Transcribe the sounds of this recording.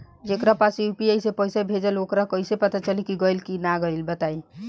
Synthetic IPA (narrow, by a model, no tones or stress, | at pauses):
d͡ʒekɾapasiupiejsepəjsebʱed͡ʒəlokɾakəjsepət̪at͡ʃəlikiɡəjlkinaɡəɪlbət̪ai